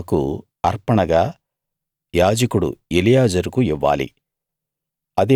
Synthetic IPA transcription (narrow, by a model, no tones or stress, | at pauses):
kṵ | ɐɾpɐɳɐɡaː | jaːd͡ʒɐkuɽṵelijaːd͡ʒɐɾukuiʋːa̰ːlḭ | ɐd̪e